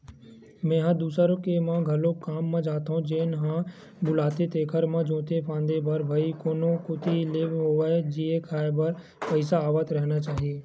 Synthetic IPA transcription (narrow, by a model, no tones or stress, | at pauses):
mɛ̃ːɦãd̪uːsəɾõkemãɡʱɐlõkaːmːãd͡ʒaːt̪ɦõd͡ʒeːnɦã | bʊlaːt̪et̪eːkʰəɾmãd͡ʒõːt̪epʰãːnd̪ebʱɐɾbʱəikoːnõkot̪ileːbɦoʋaed͡ʒiekʰaːebɐɾ | pəɪsaːʋət̪ɾɛɦnat͡ʃaːɦieː